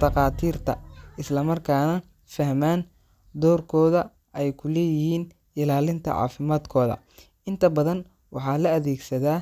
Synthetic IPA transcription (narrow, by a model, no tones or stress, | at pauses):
d̪ɐqɑːt̪ʰiːrt̪ʰɐ̰ɪslɐmɐrkʰaːnɐ | fɐɦmaːn | d̪ɔːrkʰɔːðɐ | ɛjkʰʊlɛːjɪhiːn | ɪlaːlɪnt̪ʰɐ̰ʕɑ̰ːfɪmaːd̪kʰɔːðɐ̰ | ʔɪnt̪ʰɐbɐðɐn | wɑħɑːlɐɐðɛːɡsɐðaː